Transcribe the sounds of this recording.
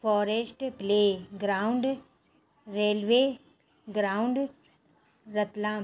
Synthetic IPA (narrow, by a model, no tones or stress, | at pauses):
fɔːɾesʈpleːɡɾaːʊɳɖ | ɾeːlʋeː | ɡɾaːʊɳɖ | ɾət̪laː